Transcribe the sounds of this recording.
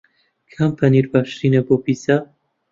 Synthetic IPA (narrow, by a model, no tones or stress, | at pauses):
kʰampʰɐniɾbaːʃɾineboːpiːsa